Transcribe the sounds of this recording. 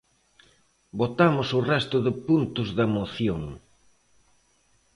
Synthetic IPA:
bot̪amʊsʊrɛst̪ʊðɪpunt̪ʊzðɐmoθjoŋ

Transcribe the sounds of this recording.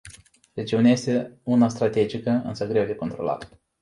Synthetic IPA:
re̞d͡ʒiuneajest̪e̞unast̪ɾat̪e̞d͡ʒikəɨ̰nsəɡɾe̞wd̪e̞ko̞nt̪ɾo̞la̰t̪

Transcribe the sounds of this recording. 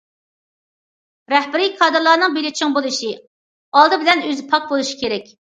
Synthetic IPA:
ɾɛhbɪɾijkʰɑːd̪ɨɾlˠɑːnɨŋbelɪt͡ʃʰɪŋbolˠɨʃi | ɑlˠd̪ɨbɪlɛnøzɪpʰɑk̚bolˠuʃi̥kʲeɾɛkʲ

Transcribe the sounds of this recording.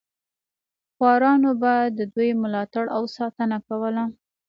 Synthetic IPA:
xwɑɾɑnobad̪ːəd̪ujmʊlɑt̪aɽʔawsɑt̪ənakawəla

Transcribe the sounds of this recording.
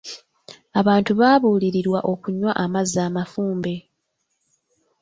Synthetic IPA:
aβaːntuβaːβuːliɾiɾwaʔo̞kuɲwa̰ʔamazːaːmafuːmbe̞

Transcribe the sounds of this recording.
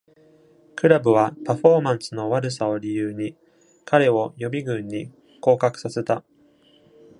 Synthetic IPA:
kɯ̟ɾabɯ̟βapaɸo̞ːmãɰ̃sɨno̞βaɾɯ̟sao̞ɾʲijɯːɲ̟i | kʰaɾe̞o̞jo̞bʲiɡɯ̟̃ɲ̟ːi | ko̞ːkakɯ̟̥sase̞t̪a

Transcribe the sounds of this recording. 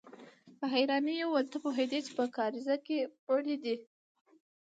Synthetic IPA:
pəɦajɾɑnijowalt̪əpoɦed̪et͡ʃe̥pəkɑɾizakepəɽid̪i

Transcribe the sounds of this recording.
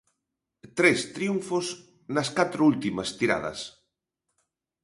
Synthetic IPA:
t̪ɾest̪ɾijuɱfos | nɐskat̪ɾoult̪imɐst̪iɾa̰ð̞ɐ̰s

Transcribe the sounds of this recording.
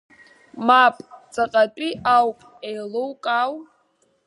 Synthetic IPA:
mapʼt͡sʼaqʼatʼiʔawpʼejlowkʼaw

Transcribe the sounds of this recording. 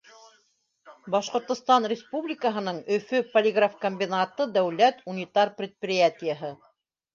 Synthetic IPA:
bɑʃqŏɾt̪ŏst̪ɑnrʲɪspublʲɪkəɦɤ̆nɤɴɵfɵpolʲɪɡrafkomʲbʲinat̪ɤd̪æwlæt̪unʲit̪ɑrprʲɪt̪̚prʲɪjat̪ʲɪjəɦɤ

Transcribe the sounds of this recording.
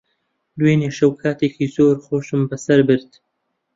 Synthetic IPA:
d̪weneːʃɐwkʰaːt̪ʰeːkiːzoːɾχoːʃɨmbɐsɐɾbɨɾt̪

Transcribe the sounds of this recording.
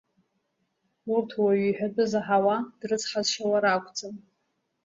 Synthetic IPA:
urtʰwaɥiħᶣadʼɨzaħawad̥rɨt͡sʰʼħazʂawaɾakʷʰʼt͡sʼɨn

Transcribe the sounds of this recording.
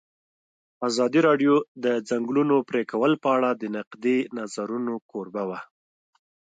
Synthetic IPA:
azɑd̪iɾɑɖjod̪əd͡zaŋɡlunopɾekawəlpəaɽad̪ənaqd̪enazaɾunokoɾbawa

